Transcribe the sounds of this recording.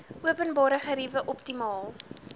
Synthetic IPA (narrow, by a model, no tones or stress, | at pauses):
ʔuəpənbɑːɾəχəɾivəʔɔptimɑːlˠ